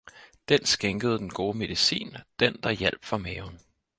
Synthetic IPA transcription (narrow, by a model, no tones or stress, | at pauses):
d̥ensɡ̥eŋɡ̥əð̞̩ˠd̥enɡ̥o̝ːme̝ð̞ˠisḭːnd̥end̥ɑ̈jel̰b̥fɒmɛːʊn